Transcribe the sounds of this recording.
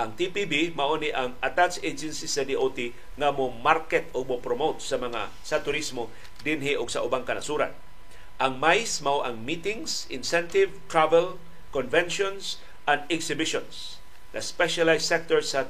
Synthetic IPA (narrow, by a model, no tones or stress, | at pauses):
ʔɐŋt̪ipibimɐʔoniʔɐŋat̪ased͡ʒɛnsisɐd̪iʔot̪i | ŋamomaɾkɛt̪oɡ̚mopɾomowt̪̚sɐmɐŋa̰ | sɐt̪ʊɾismo | d̪ɪnɦɪʔʊɡsɐʔʊbaŋkɐnɐsuːɾa̰n | ʔɐŋmajsmawʔɐŋmit̪ɪŋsʔɪnsɛnt̪ɪvt̪ɹavɛl | konvɛnʃons | ʔɐnd̪ɛɡsɪbɪʃons | ŋɐ̰spɛʃalajsɛk̚t̪ɔɹsɐ